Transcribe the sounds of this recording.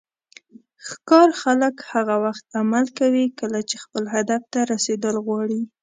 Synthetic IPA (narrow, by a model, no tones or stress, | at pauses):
xkɑɾxaləkhaɣawaxt̪amalkawikəlat͡ʃexpəlɦad̪aft̪aɾased̪əlɣwɑɽi